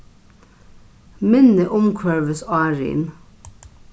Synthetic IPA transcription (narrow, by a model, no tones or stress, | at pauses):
mɛnəʔʊmkʰœːʋəsɑːɹḭːn